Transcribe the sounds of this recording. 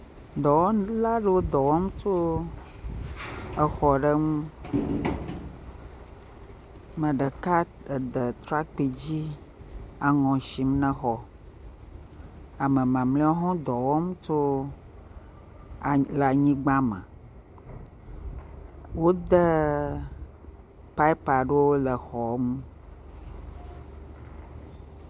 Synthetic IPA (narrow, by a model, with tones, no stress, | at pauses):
d̪ɔ˨wɔ˦la˦ɖə˦wo˦d̪ɔ˨wɔ˦m˦t͡ʃo˦ | ə˨xɔ˨ɖə˦ŋũ˦ | mə̃˨ɖə˨ka˦ | ə˨d̪ə˨t̪ɾa˦k͡pi˨d͡ʑi˦ | a˨ŋɔ̃˨ʃi˨m˦nə̃˦xɔ˨ | a˨mə̃˨mã˨mlĩ˦ɔ˦ɦɔ̃˦d̪ɔ˨wɔ˦mũ˦to˦˨ | lə˨a˨ɲĩ˦ɡ͡bã˦mə̰̃˨ | wo˦d̪ə˦ | pa˦i˦pa˨ɖo˦wo˦lə˨xɔ˨mũ˦